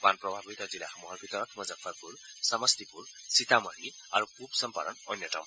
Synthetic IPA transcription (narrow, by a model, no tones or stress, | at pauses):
banpɾɔbʱabʱit̪ɔd͡zilahɔmuɦaɾbʱit̪ɔɾʌt̪ʰmʌd͡zafʰapuɾsʌmʌst̪ipuɾ | sit̪amʌni | aɾukʰubsʌmpaɾʌnɔnjʌʈa̰w̃